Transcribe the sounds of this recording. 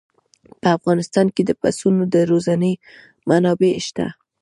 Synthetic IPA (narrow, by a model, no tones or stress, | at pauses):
pəafɣɑnɪst̪ɑnked̪əpasunod̪əɾozanəj | manɑbeʃt̪a̰